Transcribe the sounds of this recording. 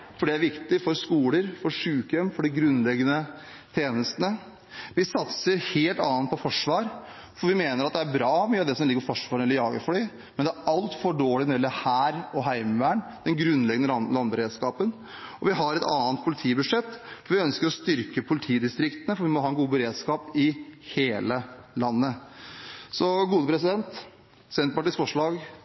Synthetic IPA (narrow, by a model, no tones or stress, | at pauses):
fɔɖɛæɾʋɪkt̪ɪfɔɾskuːləɾfɔɾʂʉːkœmfɔɖɪɡɾʉnːlɛɡːənə | t̪ʰjeːnəst̪ənə | ʋɪsɑt̪səɾheːlt̪ɑ̰ːnnt̪̚pʰɔfɔʂʋɑːɾ | fɔɾʋɪmeːnəɾɑt̪d̪ɛæɾbɾɑːmyːɑd̪ɛsɔmɪɡːəɾfɔʂʋɑːɾnɛlːəɾjɑːɡə̰fɔɭi | mɛnd̪æɾʔɑlt̪fɔɖoːɭɪnɛlːəhæːɾɔɦæɪməʋæːɳd̪̥ɛnɡɾʉnlɛɡənəlɑnbəɾeːd̪skɑːpən | ɔʋɪɦɑɾɛt̪ɑːənt̪̚pʰʊlɪt̪ʰiːbʉʂɛt̪ːfɔɾʋɪœnskəɾɔst̪ʏɾkəpʰʊlɪt̪ʰiːd̪ɪst̪ɾɪkt̪ənəfɔɾʋɪmɔɦɑːɛnɡuːbəɾeːd̪skɑːpɪheːləlɑnːə | sɔɡuːd̪əpʰɾɛsɪd̪ɛnt̪ | sɛnt̪pɑʈiːsfɔʂɭɑːɡ